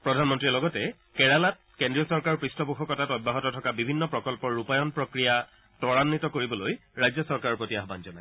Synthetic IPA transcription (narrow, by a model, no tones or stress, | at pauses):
pɹɔdʱanmɔntɹilɔɡɔtɛ | kɛɹalat̚ | kendɹiɔsɔɹkaɹɔpɹistɔbuxɔkɔtatɔbʱːaɦɔtɔtʰɔkabibʱinːɔpɹɔkɔlpɔɹːupajɔnpɹɔkɹija | tɔɹanːitɔkoɹibɔlojɹajzjɔsɔɹkaɹɔɹpɹotiaɦɔbanzɔnaj